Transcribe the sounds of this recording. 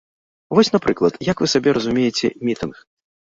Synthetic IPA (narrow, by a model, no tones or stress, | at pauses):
vɔsʲnapɾɨklˠɐt̪jɐkvɨsabʲɛɾɐzumʲejɛt͡sʲɛ̰mʲit̪ɨnx